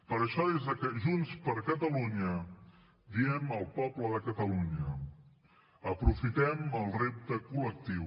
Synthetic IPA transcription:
pəɾəʃɔðezðəkəʒunspəɾkət̪əluɲə | biɛməlˠpɔbləðəkət̪əluɲə | əpɾufit̪ɛməlˠrep̚t̪əkulək̚t̪iw

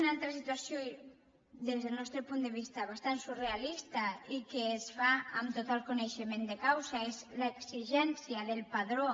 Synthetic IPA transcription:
nalt̪ɾasit̪wasjo | ðezðelnɔst̪ɾepund̪eβ̞ist̪aβ̞ast̪ansurealist̪aikeːsfaamt̪ot̪alkoneʃemend̪ekawsaezlaeksiʒɛnsjaðelpaðɾo

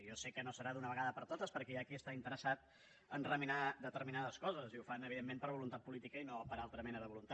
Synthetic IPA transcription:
jɔsɛkːənosəɾaðunəβəɣaðəpəɾt̪ot̪əspəɾkɛakiəst̪aint̪əɾəsat̪ | ənrəminad̪ət̪əɾminaðəskɔzəziufanəβiðemːempəɾβulunt̪at̪̚pulit̪ikəinopəɾalˠt̪ɾəmɛnəðəβulunt̪

